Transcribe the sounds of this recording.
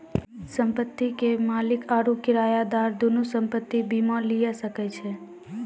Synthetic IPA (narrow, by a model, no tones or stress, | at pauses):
səmpət̪ːikemalikʰaɾukiɾajad̪aɾd̪unusəmpət̪ːibimãlijasəket͡ʃʰe